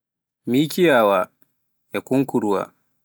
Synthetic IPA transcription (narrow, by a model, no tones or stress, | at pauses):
miːkijaːwa | jakuŋkuɾuwa̰